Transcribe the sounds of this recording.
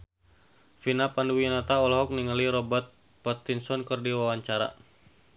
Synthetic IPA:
finapanduwinat̪aɔlɔɦɔk̚niŋəliɾɔbət̪̚ | pɔt̪insɔnkərdiwawaɲt͡ʃaɾa̰

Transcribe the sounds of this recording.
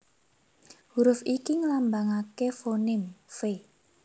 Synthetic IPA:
huɾʊfikiŋlambaŋakefonɪmfe

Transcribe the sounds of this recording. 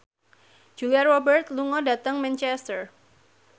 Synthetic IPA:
d͡ʒ̥uliarrɔbərt̪luŋɔdat̪əŋmɛnt͡ʃɛst̪ər

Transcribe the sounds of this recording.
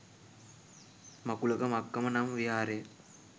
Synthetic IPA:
mɐkulɐkɐmɐkːɐmɐnamʋiaːɾeː

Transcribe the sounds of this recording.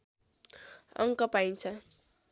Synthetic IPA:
ʌ̰ŋkʌpajnt͡sʰʌ

